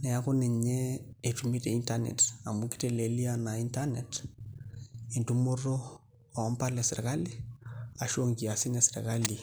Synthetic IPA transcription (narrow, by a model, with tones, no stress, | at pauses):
ne˨ja˦ko˦ne˨ɲee˨tumi˦te˨i˦ntanḛta˨muki̥tele˨li˦ana˨i˦ntanet | e˨ntu˦mo˦ɾo˦ | o˨mpa˦le˨si˨ɾka˦li˦a˨ʃo˦ŋki˨a˨si˦ne˨siɾ̰ka˦li˨